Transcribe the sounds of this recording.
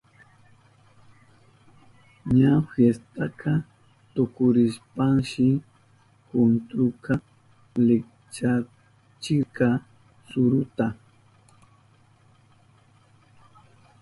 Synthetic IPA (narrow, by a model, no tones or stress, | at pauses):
ɲafjest̪akʰa | t̪okʊɾɪʃpaŋʃɪ | hʊnt̪ɾʊka | lɪk | t͡ʃa | t͡ʃɪkɑ | sʊɾʊt̪a